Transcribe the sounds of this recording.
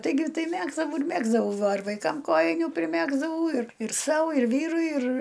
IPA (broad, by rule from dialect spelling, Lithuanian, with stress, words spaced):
tɐɪˈɡʲɪ ˈtɐɪ ˈmʲæːɡzdɐʋɐʊ ɪr ˈmʲæːɡzdɐʋɐʊ ˈʋɐ ɪr ʋɐɪˈkɐm ˈkoːjɪnʲuː pʲrʲɪˈmʲæːɡzdɐʋɐʊ ɪr ɪr ˈsɐʊ ɪr ˈʋʲiːrʊɪ ɪr